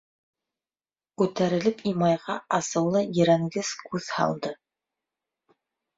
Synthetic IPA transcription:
kʉt̪æɾɘ̆lɘpimɑjʁɑɑsɤ̆wlˠɤjɘ̆ɾæŋɡɘzkʉðhɑ̰lˠd̪ɤ

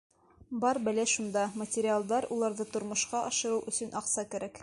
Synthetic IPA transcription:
bɑɾbælæʃund̪ɑmɐtʲɪɾʲɪalˠd̪ɑɾulˠɑɾðɤt̪ŏɾmŏʃqɑʔɑʃɤ̆ɾɤwʔɵ̆sɵ̆nʔɑqsɑkæ̆ɾæk

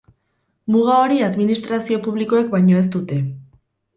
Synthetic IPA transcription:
muɣ̞ao̞ɾiaðminist̪ɾasio̞puβ̞liko̞ek̚bajɲo̞e̞s̬t̪ut̪e̞

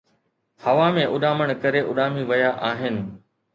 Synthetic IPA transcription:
hɐʋamẽʔʊɗaːməɽ̃kɐɾeʔʊɗaːmiʋɐjaʔaːɦɪnɪ̆

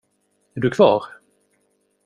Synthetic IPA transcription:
æɖɵkʰv̥ɑ̰ːɾ

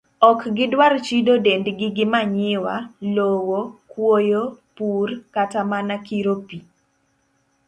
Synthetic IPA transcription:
ɔkɡɪdwart͡ʃidodendɡɪɡɪmaɲɪwalowokwojopurkatamanakiɾopi

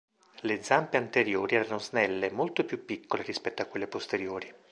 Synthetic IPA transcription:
led̪zampeant̪eɾjoːɾiɛːɾanoznɛlːemolt̪opjupːikːoleɾispɛt̪ːoakːwelːepost̪eɾjoːɾi

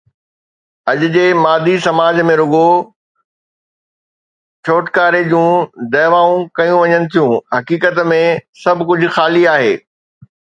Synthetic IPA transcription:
ɐʄʊ̆d͡ʑeːmaːd̪ʱisɐmaːd͡ʑmẽɾʊɡo | t͡ɕʰoːʈkaːɾed͡ʑũːd̪ɐːʋaːũkɐjũʋɐɲənɪ̆t̪ʰijũɦɐkiːkət̪mẽsɐbʱkʊd͡ʑʱʊ̆xaːliaːɦeː

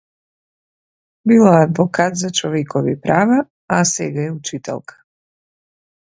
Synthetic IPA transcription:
bilaad̪vokat̪zat͡ʃoʋjekʰoʋipɾʔaːʋa | asḛɡajeut͡ʃit̪ḛlˠkḁ

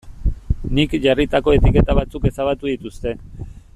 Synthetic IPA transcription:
nikʝarit̪ako̞e̞t̪ike̞t̪aβ̞at͡suke̞saβat̪uðit̪ust̪e̞

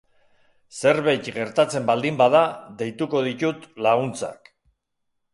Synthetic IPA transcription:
se̞ɾβejt̪ɡe̞ɾt̪at͡se̞mbald̪imbaðaðe̞jt̪uko̞ð̞it̪ut̪laɣunt͡sa̰k

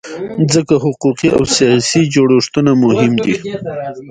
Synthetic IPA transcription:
zəkaɦʊquqiʔa̰wsijɑsid͡ʒoɽoʂt̪unamʊɦɪmd̪i

